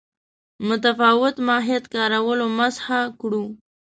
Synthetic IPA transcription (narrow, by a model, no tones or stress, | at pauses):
mʊt̪afɑwɪt̪mɑɦet̪kɑɾawəlomashakɽu